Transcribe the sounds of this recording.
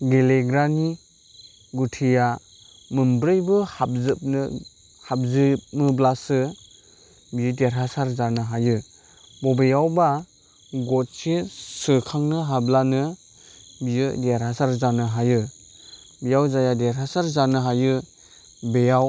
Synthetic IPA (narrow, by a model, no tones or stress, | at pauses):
ɡeleɡɾani | ɡutʰija | mɯmbɾɯjbɯhap̚zɯp̚nɯ | hap̚zɯp̚mɯblasɯ | bijɯdeɾɦasaɾzanɯɦajɯ | bɔbejawba | ɡɔt̚sisɯkʰaŋnɯɦablanɯ | bijɯdeɾhasaɾzanɯɦajɯ | bejawzajadeɾhasaɾzanɯɦajɯ | bejaw